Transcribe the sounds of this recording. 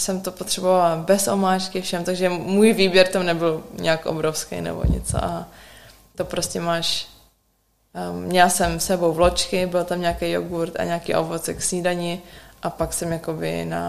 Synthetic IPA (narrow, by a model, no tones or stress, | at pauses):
sɛmt̪o̞pot̪r̥ɛbovalbɛsʔomaːt͡ʃkɪfʃɛmt̪aɡʒɛmuːjviːbjɛɾt̪amnɛbɪlɲɛakʔo̰bɾofskḛjnɛ̰bo̰ɲɛ̰t͡so̰ʔa | t̪opɾo̞scɛmaːʃ | mɲɛlasɛmsɛbowvlot͡ʃkɪbɪlt̪amɲaːkejo̰ɡuɾt̪a̰ɲaːkiːʔo̰vot͡sɛksiːdaɲɪʔapaksɛmjakobɪ̰na̰